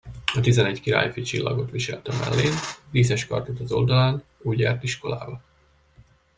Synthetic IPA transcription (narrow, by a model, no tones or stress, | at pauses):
ɒt̪izɛnɛɟkiɾa̰ːjifit͡ʃilːɒɡo̞t̪ʋiʃɛlt̪ɛmɛ̰lːeːnviːsɛʃkɒ̰rt̪ot̪ɒzo̞ld̪ɒlaːnuːɟaːrt̪iʃko̞la̰ːbɒ